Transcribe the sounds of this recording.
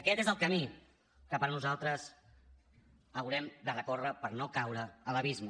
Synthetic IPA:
əkɛt̪ezəlˠkəmi | kəpəɾnuzalˠt̪ɾəs | əwɾɛmd̪ərəkorəpəɾnokawɾəːləβizmu

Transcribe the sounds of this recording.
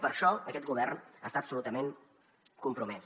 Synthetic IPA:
pəɾʃɔəkɛt̪̚ɡuβ̞ɛrnəst̪aəsulut̪əmeŋ | kumpɾumɛs

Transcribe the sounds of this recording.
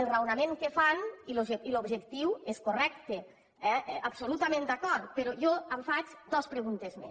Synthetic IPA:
elˠrawnameŋkefaniloʒeilobʒekt̪iweskorɛkt̪e | ɛɛabsolut̪amẽnd̪akɔɾt̪peɾojɔaɱfat͡ʃd̪ɔspɾeɣunt̪ezmḛs

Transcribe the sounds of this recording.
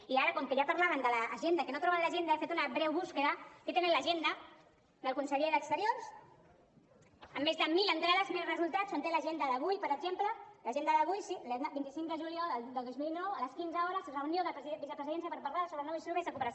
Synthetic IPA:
iaɾəkɔŋkeʒapaɾlaβənd̪ələʔːʒend̪əkenot̪ɾɔβaðlaʒend̪aefet̪unaβɾɛwβuskəðəket̪enələʒend̪ə | d̪əlˠkunsəʎeðəkst̪əɾjors | əmːezðəmilənt̪ɾaðazmilrəzulˠt̪asont̪elaʒend̪əðəβujpəɾəzempləlaʒend̪əðəβujsilbint̪isiŋkd̪əʒulijɔləld̪əlˠd̪ozmilnɔwələskinzəɔɾəsərəunjoðəpzibisəpɾəziðɛnsijɐpəɾpaɾlasoβɾənoisuβezəkupəɾs

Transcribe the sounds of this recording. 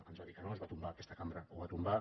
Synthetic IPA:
ənzβaðikənoəzβat̪umbakɛst̪əkambɾəowβat̪umba

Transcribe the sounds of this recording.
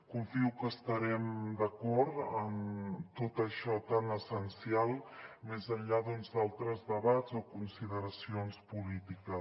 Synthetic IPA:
kuɱfiwkəst̪əɾɛmd̪əkɔɾt̪ənt̪ot̪əʃɔt̪anəsənsialˠmezəɲʎaðunzd̪alˠt̪ɾəzðəβazokunsiðəɾəsionspulit̪ikə

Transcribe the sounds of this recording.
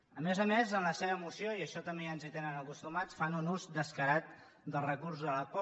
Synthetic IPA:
əmezəmezənləseβəːmusioiəʃɔt̪əmbeənzit̪enənəkust̪umat͡sfanunuzd̪əskəɾat̪̚ | d̪əlˠrəkuɾsələpɔ

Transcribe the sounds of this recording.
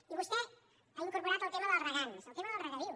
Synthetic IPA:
iβust̪e | aliŋkoɾpoɾat̪alt̪emaðelaraɣaneselt̪emaðelraɣaβiu

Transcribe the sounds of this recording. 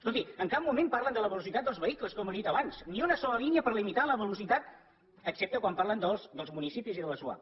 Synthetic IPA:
skolt̪iəŋkap̚mumempaɾlənd̪ələβəlusit̪at̪̚d̪əlˠzβəikləskɔməðit̪əβansniunəsɔləliniəpəɾlimit̪aləβəlusit̪at̪ | əksɛp̚t̪əkwampaɾlənd̪əlˠsd̪əlˠzmunisipiziðələsua̰

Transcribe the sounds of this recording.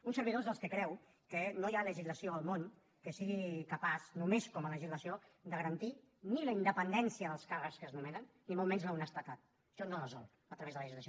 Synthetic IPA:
unsəɾβiðozðəlˠskəkɾɛw | kənojaləʒizləsioəlˠmon | kəsiɣikəpaznumeskɔmələʒizləsiod̪əɣəɾənt̪i | niləind̪əpənd̪ɛnsiəðəlˠskarəkskəznumɛnənːimɔlˠmɛnzləunəst̪ət̪at̪̚ | ʃɔnoləzɔ̰lˠ | ət̪ɾəβezðələəʒizləsio

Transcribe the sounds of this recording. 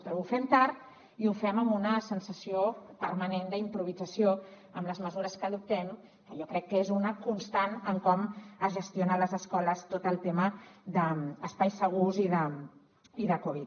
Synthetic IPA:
t̪ɾɛufɛmt̪aɾt̪ | iufɛməmbunəsənsəsiopəɾmənend̪əimpɾuβ̞id͡zəsio | əmləzməzuɾəskəðup̚t̪ɛm | kəʒɔkɾɛkːəezunəkunst̪anəŋkɔməzʒəst̪jonələzəskɔləst̪ot̪əlˠt̪eməðəːspajsəɣ̞uziðə | iðəkɔβit̪̚

